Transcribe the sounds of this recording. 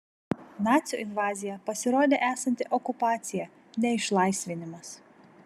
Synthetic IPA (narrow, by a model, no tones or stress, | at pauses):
nɑːt̪sʲjṵʔɪnʋɑːzʲɪjɛpɐsʲɪɾoːd̪ʲeːʔæːsɐnʲt̪ʲɪʔɔkʊpɑːt̪sʲɪjɛ | nʲɛɪʃlˠɐˑɪsʲʋʲɪnʲɪmɐs